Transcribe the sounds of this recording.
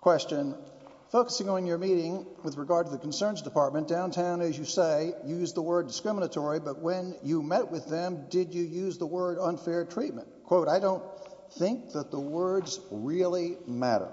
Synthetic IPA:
kʰw̥ɛst͡ʃɨ̃n | foʊkəsɪ̃ŋə̃njə˞miɾɪ̃ŋwɨðɹɨɡɑɹd̚təðɨkʰn̩sɜ̃˞nzdɨpʰɑɹt̚mɨ̃nd̥ãʊ̃ntʰãʊ̃nɨzjɨseɪjʉzðəwɜ˞dɨskɹɪmənɨtʰɔɹibʌt̚wɨ̃njɨmɛt̚wɨðɨ̃mdɪd͡ʒɨjʉzðəwɜ˞ɾə̃nfɛɹtʰɹ̥it̚mɨ̰̃nkʰw̥oʊɾaɪdõʊ̃n | θɪ̃ŋk̚ðət̪̚ðəwɜ˞dzɹɪlˠimæ̰ɾə̰˞

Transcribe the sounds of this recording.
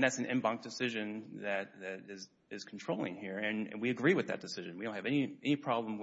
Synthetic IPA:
ðætsn̩ɪ̰̃mbʌ̃ŋk̚d̥ɨsɪʒɨ̃nðɨɾ̚ðɨɾɪz | ɪz̥kʰn̩tʰɹ̥oʊlˠɪ̰̃ŋhiɹɨ̃nɨ̰̃nwiɨɡɹiwɨðɨ̰t̚d̥ɨsɪʒɨ̃nwiõʊ̃nthɨvɛniɛnipʰɹ̥ɑblə̃m

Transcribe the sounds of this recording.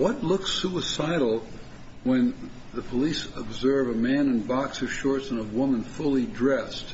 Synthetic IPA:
wʌtˡlʊksuəsaɪɾl̩ˠ | wə̃n | ðɨpʰəlisəbzɜ˞vəmæ̃nɨ̃nbɑksʌv̥ʃɔɹtsə̃nəwʊmə̃nfʊlˠidɹɛst̚

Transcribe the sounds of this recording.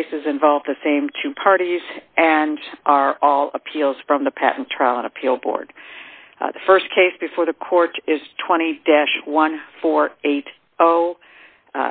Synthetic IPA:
sɨzɨ̃ɱvɑlˠvðɨsẽɪ̃mtʰʉpʰɑɹɾizʔɨ̃nʔə˞ʔɔlˠəpʰilˠz̥fɹʌ̃mðəpʰæ̰ʔn̩tʰɹ̥aɪlˠə̃nəpʰilˠbɔ̰ɹd̥ | ðɨfɜ˞skʰeɪsb̥ɨfɔɹðɨkʰɔɹɾɪz̥tʰw̥ɛ̃ɾ̃idɛʃwʌ̃nfɔɹeɪɾ | oʊ

